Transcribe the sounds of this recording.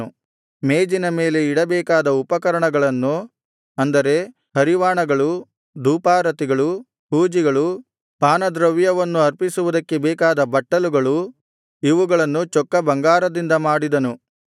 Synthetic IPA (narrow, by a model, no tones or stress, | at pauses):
u | meːd͡ʒinɐmeːle̞iɽɐbɛːkaːd̪ɐupɐkɐɾɐɳɐɡɐɭɐnːu | ɐnd̪ɐɾe̞ | hɐɾiʋaːɳɐɡɐɭu | d̪uːpaːɾɐt̪iɡɐɭu | huːd͡ʒiɡɐɭu | paːnɐd̪ɾɐʋjɐʋɐnːuɐɾpisuʋud̪ɐkːebɛːkaːd̪ɐbɐʈːɐluɡɐɭu | iʋuɡɐɭɐnːut͡ʃɔkːɐbɐŋɡaːɾɐd̪ind̪ɐmaːɽid̪ɐnu